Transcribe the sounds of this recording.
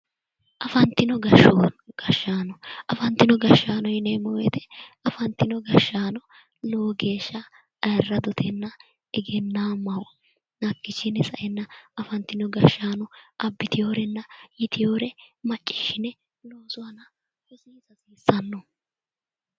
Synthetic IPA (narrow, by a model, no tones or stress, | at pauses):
ʔɐfɐnt̪ːɪnɔɡɐʃːɔɡ̥ɐʃːaːnɔʔɐfɐnt̪ːɪnɔɡɐʃːaːnɔjɪneːmɔwɛt̪ɛ̥ɐfɐnt̪ːɪnɔɡɐʃːaːnɔ | loːɡeːʃːɐ | ɐjrːɐd̪ɔt̪ʰɛnːɐ | ɛɡɛnːaːmɐw | nɐkːɪt͡ʃːɪnɛsɐʔɛnːɐɐfɐnt̪ːɪnɔɡɐʃːaːnɔʔɐbːɪt̪ɪjo̞ːɾɛnːɐjɪt̪ɪjoːɾɛmɐt͡ʃʼːɪ̥ʃːɪnɛ | loːsʊwɐnɐ | hɔsiːzɐsiːsːɐnːɔ